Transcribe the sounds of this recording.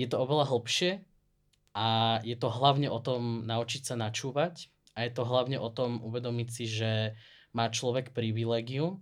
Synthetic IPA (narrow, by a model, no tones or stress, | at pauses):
jɛt̪ɔɔʋɛlaɦl̩pʃɪɛ | ʔajɛt̪ɔɦlaʊɲɛʔɔt̪ɔmnaut͡ʃicsanat͡ʃuːʋac | ʔajɛt̪ɔɦlaʊɲɛʔɔt̪ɔmṵʋɛd̪ɔmicsiʒɛ | maːt͡ʃlɔʋɛkpɾiʋilɛːɡium